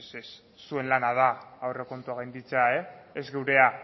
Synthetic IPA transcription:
ses | sue̞nlanað̞aawre̞ko̞nt̪uaɣ̞ejnd̪it͡sae̞ːzɡe̞wɾe̞a

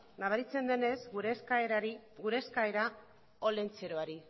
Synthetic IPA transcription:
naβ̞aɾit͡se̞nd̪e̞ne̞zɾɡuɾe̞skaeɾa | o̞le̞nt͡se̞ɾo̞aɾi

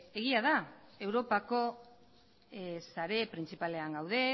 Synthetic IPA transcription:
e̞ɣ̞iað̞ae̞wɾo̞pako̞ | saɾe̞pɾint͡sipale̞aŋɡawð̞e̞

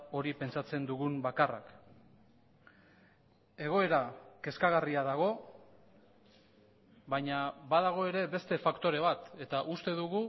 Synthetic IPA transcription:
o̞ɾipe̞nt͡ʃat͡se̞nd̪uɣumbakara̰k | e̞ɣ̞o̞e̞ɾake̞skaɣ̞ariaðaɣ̞o̞ | βaɲabaðaɣ̞o̞e̞ɾe̞be̞st̪e̞fakt̪o̞ɾe̞β̞at̪e̞t̪aʔust̪e̞ðuɣu

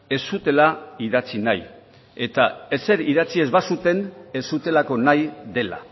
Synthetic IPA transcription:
e̞sut̪e̞laiðat͡sinaj | e̞t̪aese̞ɾiðat͡sie̞zβasut̪e̞ne̞sut̪e̞lako̞najd̪e̞la̰

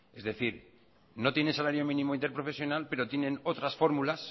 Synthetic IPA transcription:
ezðe̞θiɾ | no̞t̪je̞nensalaɾjo̞mĩnĩmoint̪eɾpɾo̞fe̞sjo̞nalpe̞ɾo̞t̪je̞nẽ̞no̞t̪ɾasfo̞ɾmulas

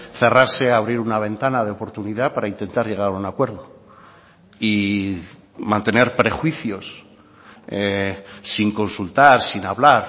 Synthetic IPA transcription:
θe̞raɾse̞aβ̞ɾiɾunaβ̞ẽ̞nt̪anaðeo̞po̞ɾt̪uniðapaɾaint̪e̞nt̪aɾʝe̞ɣ̞aɾaunakwe̞ɾðo | i | mãnt̪e̞ne̞ɾpɾe̞xwiθjo̞s | eː | iŋko̞nsult̪aɾsinaβlaɾ

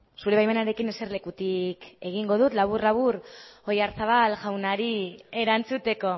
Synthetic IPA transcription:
suɾe̞βajme̞naɾe̞kinese̞ɾle̞kut̪ike̞ɣ̞iŋɡo̞ð̞ut̪laβ̞urlaβuro̞jaɾsaβalʝawnaɾie̞ɾant͡sut̪e̞ko̞

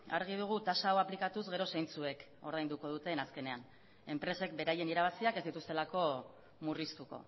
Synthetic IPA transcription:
a̰ɾɣ̞ið̞uɣ̞ut̪asaːwaplikat̪uzɣe̞ɾo̞sajnt͡sue̞k | o̞ɾðajnd̪uko̞ðut̪e̞naske̞ne̞an | e̞mpɾe̞se̞k̚be̞ɾaje̞niɾaβ̞asiake̞zd̪it̪ust̪e̞lako̞ | murist̪uko̞̰

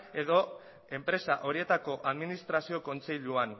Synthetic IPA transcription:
e̞ðo̞ | e̞mpɾe̞saʔo̞ɾie̞t̪ako̞ʔaðminist̪ɾasio̞ko̞nt͡se̞ʎuan

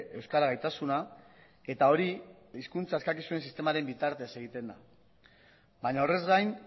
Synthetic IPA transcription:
e̞wskaɾaɣajt̪asuna | e̞t̪ao̞ɾi | iskunt͡saeskakisue̞nsist̪e̞maɾe̞mbit̪aɾt̪e̞se̞ɣ̞it̪e̞nd̪a̰ | bajɲao̞re̞zɡajn

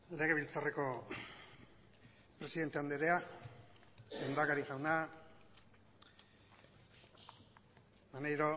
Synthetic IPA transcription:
le̞ɣ̞e̞βilt͡sare̞ko̞ | pɾe̞siðe̞nt̪e̞and̪eɾea | end̪akaɾiʝawna | manejɾo̞

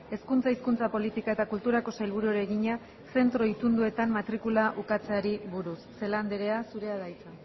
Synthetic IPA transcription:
e̞skunt͡saiskunt͡sapo̞lit̪ikae̞t̪akult̪uɾako̞sajlβ̞uɾuɾeɣiɲa | se̞nt̪ɾo̞it̪und̪ue̞t̪ammat̪ɾikulaʔukat͡seaɾiβuɾusːe̞land̪eɾe̞asuɾe̞aðajt͡sa

